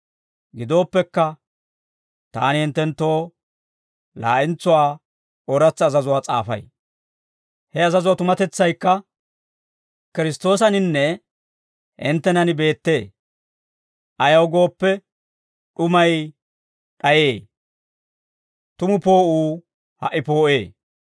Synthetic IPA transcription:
ɡɪd̪o̞ːpːɛkːɐ | t̪a̰ːnɪhɪnt̪ːɛnt̪ːo̞ː | la̰ːʔɪnt͡sːʊwaː | ɔɾɐt͡sːzɐzʊwaːt͡sʼa̰ːfɐ̰j | hɛɐzɐzʊwaːt̪ʊmɐt̪ɛt͡sːɐjkːɐ | kɪɾɪst̪o̞ːsɐnɪnːɛ | hɪ̰nt̪ːɛnɐnɪbe̞ːt̪ːe̞ː | ʔɐjɐwɡo̞ːpːɛ | ɗʊmɐj | ɗɐjeː | t̪ʊmʊpo̞ːʔuː | hɐ̰ʔːɪpo̞ːʔeː

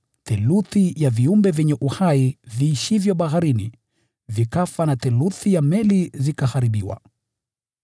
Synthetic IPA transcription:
tɛluθijaviumbɛvɛɲɛʔuhaiviːʃivjɔɓahaɾini | vikafanatɛluθijamɛlizikahaɾiɓiwa̰

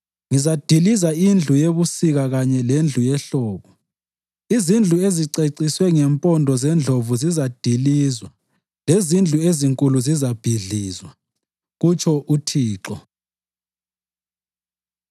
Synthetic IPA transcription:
ŋizad̥ʱilizaind͡ɮʱujeβusiɣaɣaɲɛlend͡ɮʱujɛɬɔːɣɔ | izind͡ɮʱueziǀeǀiswɛŋɛmpʼɔndʱɔzɛnd͡ɮʱovuzizad̥ʱiliːzwa | lezind͡ɮʱueziŋkʼuluzizab̥ʱiɮiːzwa | ɣut͡ʃʰʼɔʔutʰiːǁɔ

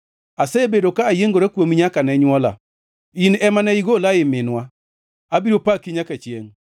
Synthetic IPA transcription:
asɛebedokaːjeŋɡoɾekwomiɲakanɛɲwɔla̰ | inɛmanɛiɡolaɪmɪnwa | abiɾopakiɲakat͡ʃjḛŋ

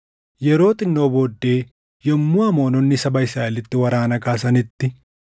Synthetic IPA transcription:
jɛɾo̞ːt̪ʼɪnːo̞ːboːd̪ːe̞ː | jɔmːʊamo̞ːnɔnːɪsɐbɐɪsɾaːelɪt̪ːɪwɐɾaːnɐkaːsɐnɪt̪ːɪ

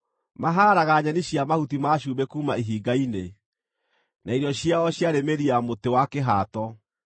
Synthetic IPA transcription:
maɦaːɾaɣaɲaniɕjamahutimaʃ̬uːbɛkuːmaiɦiːɡaine | naiɾiɔɕjaɔɕjaɾemeɾiamotewakeɦatɔ

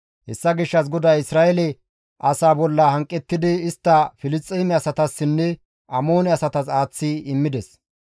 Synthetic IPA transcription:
hɛsːɐɡɪʃːɐs̬ɡɔd̪ɐjɪsɾaːɛlɛ | ʔɐsaːbɔlːɐhɐŋkʼːɛt̪ːɪd̪ɪːst̪ːɐfɪlɪst̪ʼːɛːmɛɐsɐt̪ɐsːɪnːɛ | ɐmo̞ːnɛɐsɐt̪ɐsaːt͡sːiɪmːɪd̪ɛs

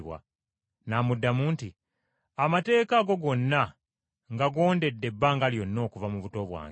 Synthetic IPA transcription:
βwa̰ | namudːamuːnti | amate̞ːkaɡo̞ɡo̞nːa | ŋɡaɡo̞ːnde̞dːe̞bːaŋɡaljo̞nːo̞ːkuvamuβuto̞βwa̰ːŋ

